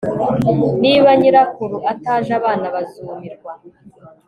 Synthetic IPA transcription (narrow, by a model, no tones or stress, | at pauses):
niːβaɲiɾakuɾuʔataːʒaβaːnaβazumiɾɡwa